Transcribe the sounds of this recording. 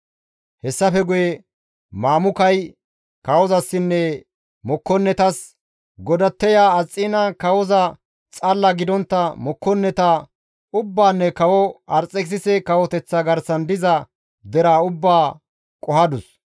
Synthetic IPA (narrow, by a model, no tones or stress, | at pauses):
hɛsːɐfɛɡʊjɛ | maːmʊkɐj | kɐwɔzɐsːɪnːɛ | mɔkːɔnːɛt̪ɐs | ɡɔd̪ɐt̪ːɛjaːt͡sʼːiːnɐkɐwɔzɐ | t͡sʼɐlːɐɡɪd̪ɔnt̪ːɐmɔkːɔnːɛt̪ɐ | ʊbːaːnːɛkɐwɔɐɾt͡sʼːɛks̬ɪsɛkɐwɔt̪ɛt͡sːɐɡɐɾsɐnd̪ɪzɐ | d̪ɛɾaːʊbːaː | kʼɔhɐd̪ʊs